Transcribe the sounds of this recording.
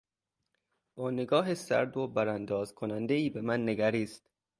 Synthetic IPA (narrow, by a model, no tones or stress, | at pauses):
bɒːneɡɒːɦesæ̰ɾd̪obæɾænd̪ɒːzkʰonænd̪eiːbemænːeɡæɾiːst̪